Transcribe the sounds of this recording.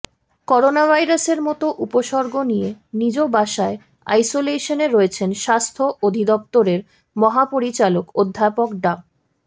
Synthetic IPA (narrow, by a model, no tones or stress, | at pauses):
kɔɾonabʱajɾaseɾmɔt̪oʔupoʃɔɾɡʱonijenid͡ʑobaʃae | a̰jsoleʃoneɾoet͡ɕʰenʃast̪ʰoʔod̪ʱid̪ɔp̚t̪oɾeɾ | mɔɦapoɾit͡ɕalokod̪ʱːapokɖa